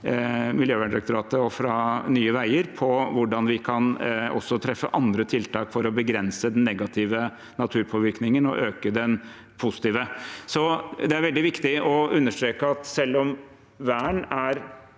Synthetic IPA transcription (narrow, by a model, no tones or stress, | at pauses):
mɪljøːʋæɳɾɑk̚t̪ʊɾɑːt̪əɔfɾɑnyːəʋæɪəɾpʰɔʋʊɖɑnʋɪkʰɑnɔ̰sːɔt̪ʰɾɛfːə̰ʔɑnd̪ɾət̪ʰɪlt̪ʰɑːkfɔɾɔbəɡɾɛnsəd̪ɛnːɛɡɑt̪ʰɪʋə | nɑt̪ʰʉːɾpʰoːʋɪɾknɪŋənɔ̰ʔøːkəd̪ɛn | pʰʊsɪ̥t̪iːʋəsɔd̪ɛæɾʋɛld̪ɪʋɪkt̪ɪʔɔʉnːəʂʈ̪ɾeːkəɑt̪sɛlːɔm | ʋæːɳæɾ